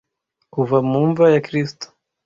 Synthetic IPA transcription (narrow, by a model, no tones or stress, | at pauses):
kuvamuɱvajakɾistɔ̥